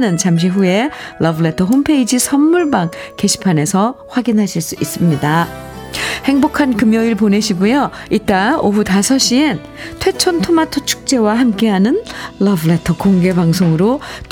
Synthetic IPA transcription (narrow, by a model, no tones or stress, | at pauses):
nɯnt͡ɕamɕ̬ʰiɸue̞lʔʌbɯɭe̞tʰʌɦompʰe̞id͡ʑisʰʌnːuɭbaŋke̞ɕʰi̥pʰane̞sʰʌɸwaɡinɦaɕʰiɭs͈uis͈ɯmɲida | he̞ŋbokʰankɯmjʌiɭpone̞ɕʰiɡujo | it͈aoɸutasʰʌɕ͈ien | tʰwe̞t͡ɕʰontʰomatʰʌt͡ɕʰu̥k̚t͡ɕ͈e̞waɦamk͈e̞ɦanɯnːʌbɯɭe̞tʰʌkoŋɡe̞baŋsʰoŋɯɾot